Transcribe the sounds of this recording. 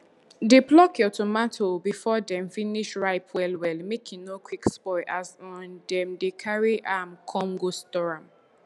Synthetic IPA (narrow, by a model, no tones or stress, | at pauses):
deblɔkjɔtomatʰobifɔdɛ̃mfiniʃɹaɪpʰwɛlwɛlmekʰĩnokwikspɔɪʔasɔ̃ndɛ̃mdekʰaɹiʔamkʰɔ̃ŋɡostɔɹãm